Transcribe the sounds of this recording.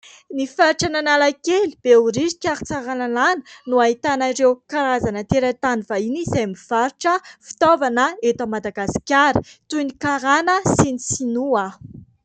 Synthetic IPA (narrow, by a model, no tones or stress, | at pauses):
nifaɾiʈ͡ʂananalakelib̥euɾizi̥kʲaɾit͡saɾanananə̥nuaɦit̪anaɾewkaɾazanət̪eɾat̪anivainizemiv̥aɾiʈ͡ʂəfi̥t̪ovanəet̪amad̪aɡasi̥kʲaɾi̥t̪unikaɾanəsinisinua